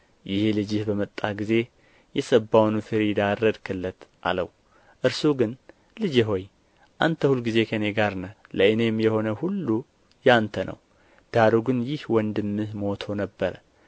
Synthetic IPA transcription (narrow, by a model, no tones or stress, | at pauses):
jɪhelɨd͡ʒɪhbəmət̪ʼːaɡize̞ | jɛsəbːawnufɨɾid̪aɾːəd̪kʰɨlːət̪ʔa̰ləw | ʔɨɾsuɡɨn | lɨd͡ʒeɦo̞j | ʔant̪ʰəhulɡize̞kʰəne̞ɡaɾnəwləɨne̞mjɛho̞nəhulːu | jant̪ʰənʔə̰w | d̪̥aɾuɡɨnjɪhwɔnd̪ɨmːɨhmo̞t̪ʰo̞nəbːəɾə